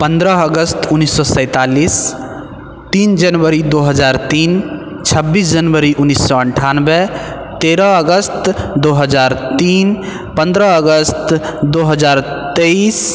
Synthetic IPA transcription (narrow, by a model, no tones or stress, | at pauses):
pə̃nd̪ɾəəɡəst̪ʊnːisːɔsə̃ɪt̪alis | t̪iːnd͡ʒənʋəɾid̪oɦəd͡ʒaːɾt̪iːn | t͡ʃʰəbːiːsd͡ʒənʋəɾiʔʊnːisːɔəɳʈʰanbɛ | t̪eɾəəɡəst̪d̪oɦəd͡ʒaːɾt̪iːn | pə̃nd̪ɾəəɡəst̪d̪oɦəd͡ʒaːɾ | t̪eis